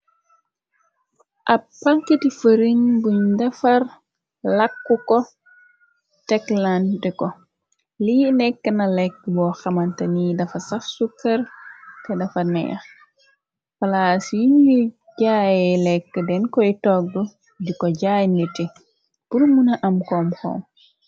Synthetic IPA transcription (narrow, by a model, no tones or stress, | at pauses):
ʔapːaŋkitifəɾiŋɡuɲdafaɾ | lakːukɔ | tɛklandɛkɔ | linɛkːənalɛkːbɔxamantanidɐfasafsukːɐɾkɛdɐfɐnɛ̰ja̰ | fɐlasjiɲːu | ɟajɛlɛkːədɛnkɔitɔɡ̚dɔ | dikɔɟajniti | puɾmunaʔamkɔmxɔ̰m